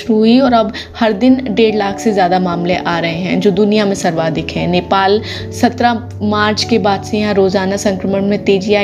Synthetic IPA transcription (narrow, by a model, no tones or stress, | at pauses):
ɾuɦiɔːɾɐb | hɐɾd̪ɪnɖeːɽlaːkʰsezjaːd̪amaːmleʔaːɾɐɦẽɦɛ̰̃d͡ʒoːd̪ʊnijamẽsɐɾʋaːd̪ɪkʰɦɛ̃neːpaːl | sɐt̪ɾa | maːɾt͡ʃkebaːd̪sejɐɦãɾoːzaːnasɐ̃ŋkɾəməɳmẽt̪eːd͡ʒiaː